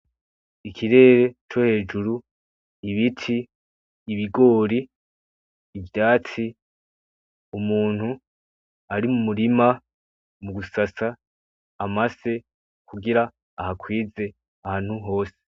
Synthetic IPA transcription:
ikʰiɾe̞ːɾe̞t͡ʃo̞he̞ːd͡ʒuɾu | iβitʰiː | βiɡo̞ːɾi | vjaːti | umuːn̥hu | aɾimumuɾima | muɡusasaː | maze̞ | kʰuɡiɾaː | hakwiːze̞ | ahaːn̥huɦo̞ːse̥

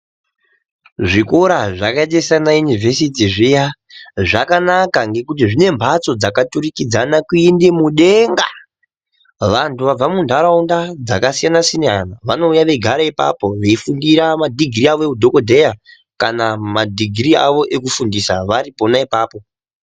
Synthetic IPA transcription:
ʐikoɾaʐakaetessanajunivʱe̞sitiʐijaʐakanakaŋɡe̞kut̬iʐine̞mbʱat͡so̞d͡zakaturikid͡zanakuindemuɗe̞ŋɡa | ʋantuʋab͡vamundʱaɾaundad͡zakasijanasinanaʋano̞ujaʋe̞ɡʱaɾaipa̰po̞ʋe̞ifundiɾamadʱiɡʱiriaʋoeudʱo̞ko̞dʱe̞ja | kanamadʱiɡʱiɾia̰ʋo̞ʔe̞kufundisaʋaripo̞naipaːpo̞

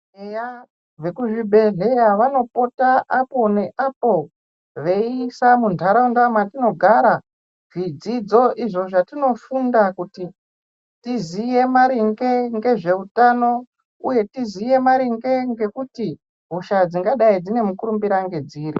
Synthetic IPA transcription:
eja | ʋe̞kuʐibʱe̞ɮe̞jaʋano̞po̞taʔapo̞ne̞ʔapo̞ | ʋe̞isamundʰʱaɾaundamatino̞ɡʱaɾa | ʐ̥id͡zid͡zo̞ʔiʐo̞ʐatino̞fundakuti | tizije̞maɾiŋɡe̞ŋɡe̞ʐe̞utano̞ | ṵje̞tizije̞maɾiŋɡe̞ŋɡe̞kuti | ɦuʃad͡ziŋɡaɗaid͡zine̞mukuɾumbiɾaŋɡe̞d͡ziːɾi

